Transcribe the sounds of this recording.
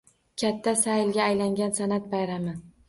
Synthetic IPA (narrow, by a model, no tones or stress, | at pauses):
kʲʰat̪ʰːasajlɡʲaːjlaŋɡʲansanat̪̚bajɾamɪ